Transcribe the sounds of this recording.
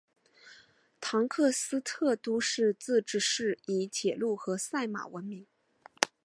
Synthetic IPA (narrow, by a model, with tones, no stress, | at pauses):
t̪ʰɑ˧˥ŋkʰɤ˥˩sɹ̩˥t̪ʰɤ˥˩t̪u˥ʂɻ̩˥˧t͡sɹ̩˥˧ʈ͡ʂɻ̩˥˩ʂɻ̩˥˩i˧˥t͡ɕʰjɛ˨˩lu˥˩xɤ˧˥sa˥˩ɪma̰˨˩wə˧˥nmi˧˥ŋ